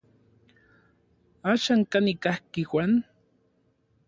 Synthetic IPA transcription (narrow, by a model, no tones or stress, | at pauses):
aʃaŋkanikahkɪxʷan